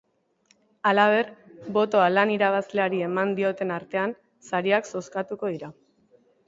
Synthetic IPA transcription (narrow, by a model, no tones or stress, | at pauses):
alaβ̞e̞rbo̞t̪o̞alaniɾaβ̞asle̞aɾie̞mand̪io̞t̪e̞naɾt̪e̞an | saɾiakso̞skat̪uko̞ð̞iɾa